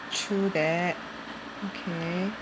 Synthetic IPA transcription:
tʰɹuðæt̚ | okʰe

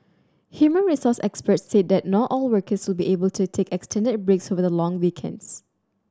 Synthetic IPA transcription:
hjumə̃nɹisɔsɛkspətsːet̚d̪ɛt̚nɔtɔlwɜkəswɪlbiʔebəltʰutʰekɛkstʰɛ̃ndɪd̚bɹeksovədəlɔ̃ŋwikʰɛ̰̃nds

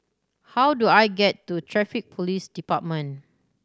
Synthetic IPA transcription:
hawduajɡɛtːutʰɹɛfik̚pʰolisdipat̚mə̃n

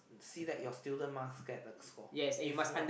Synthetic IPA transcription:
siðɛʔ̚jɔstilˠdəmaθkɛtəkskɔjɛsɛ̃njumasãnd

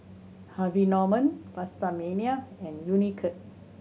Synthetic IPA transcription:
havinɔmə̃npastamẽniaɛ̃njunikʰət̚

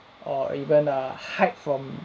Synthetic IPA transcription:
ʔɔivə̃nəhaɪt̚fɹɔ̃m

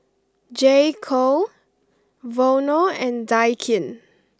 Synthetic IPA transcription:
d͡ʒekʰo | vonəɛ̃ndajkʰĩn

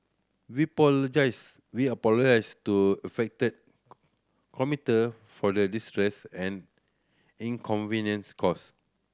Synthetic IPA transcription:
wipɔd͡ʒas | wiapɔlod͡ʒaɪstuɛfɛk̚təd̚ | kʰɔmitə | fɔdədistɹɛsɛ̃n | ĩŋkʰɔ̃nvinjə̃nskʰɔs

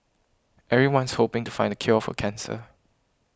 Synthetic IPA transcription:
ʔɛvɹiwãnshopɪ̃ŋtu̥fãɪ̃ndəkʰjɔfɔ̰kʰɛ̃nsə̰

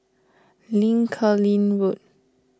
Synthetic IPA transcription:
lĩŋkʰəlĩnwut̚

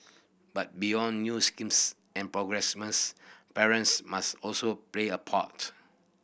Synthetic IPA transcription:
bat̚bijɔ̃nːjuskĩms | ɛ̃npɹɔɡɹɛsmə̃spɛɹə̃ntsmastɔlsopleəpʰa̰t

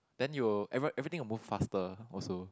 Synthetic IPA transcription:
d̥ɛ̃njuwəɛvʔɛvɹit̪ɪ̃ŋwəmuffastəɔso

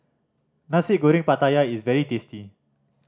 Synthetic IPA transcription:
nasiʔ̚ɡoɾĩŋpat̪ajaisvɛɹit̪esti

